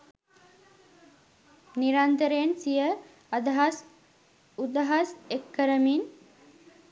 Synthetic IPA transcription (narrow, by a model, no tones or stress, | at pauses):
niɾant̪əɾensijə | ɐd̪ɐɦas | ud̪aɦasekːəɾəmin